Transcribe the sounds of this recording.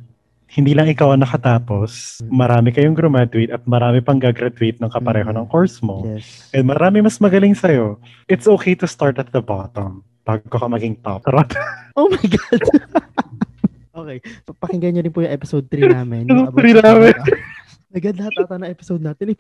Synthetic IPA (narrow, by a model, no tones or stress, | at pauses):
hɪnd̪iːlɐŋɪkawɐnɐkɐt̪aːpo̞smɐɾaːmɪkɐjoŋɡɾʊmad̪ʊɪt̪ɐt̪̚mɐɾaːmɪpɐŋɡaɡɾad̪ʊit̪̚nɐŋkɐpɐɾɛːɦonɐŋkoɹsmoɛsʔɛnmɐɾaːmɪmɐsmɐɡɐlɪŋsɐjo̞ | ʔɪt̪sʔoːkejt̪ʊst̪aɹt̪ɐt̪̚d̪ɐbat̪om | b̥aːɡoɐkomɐɡɪŋt̪a̰pɾɐt̪ʔoːmɐjɡad | ʔoːkejpɐkɪŋɡɐjɲoɾɪnpʊjʊŋʔɛpɪsowd̪̚t̪ɾinaːmɛnsoɾinaːmɛ | mɐɡɐd̪lɐhat̪ːt̪ɐnɐ̃ŋʔɛpɪsod̪̚naːt̪ɪnɪ